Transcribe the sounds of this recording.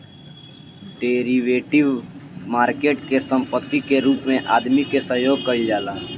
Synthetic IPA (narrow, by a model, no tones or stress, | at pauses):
ɖeːɾiʋeːʈɪʋmaːɾkeːʈkesə̃mpət̪ːikeɾuːpmẽʔa̰ːd̪mikesəɦjoːɡ̚kəɾid͡ʒaːlaː